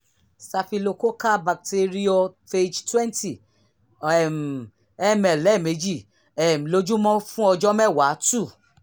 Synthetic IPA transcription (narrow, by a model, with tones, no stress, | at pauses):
sa˧fi˧lo˧ko˦ka˦ba˨k̚te˧ɾi˦ɔ˧fe˧d͡ʒtwɛ̃˦nti˦˨ | ɛ˨m̩˨ | ɛ˦mɛ˨lːɛ˨˦˨me˨˦d͡ʒi˦˨ | ɛ˨m̩˨lo˨˧d͡ʒũ˦mɔ̃˦fũ˦ɔ˧d͡ʒɔ˦mɛ˦˨wa˨˦tu˦˨